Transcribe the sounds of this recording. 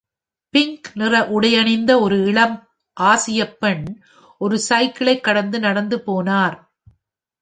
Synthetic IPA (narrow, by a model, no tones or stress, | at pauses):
pɪŋknɪrɐʔʊɽɐjɐnɪnd̪ɐɔɾɯɪɭɐm | ʔaːsɪjɐpːɛɳ | ʔɔɾɯsɐɪkɪɭɐɪkːɐɽɐnd̪ɯnɐɽɐnd̪ɯpoːnaːɾ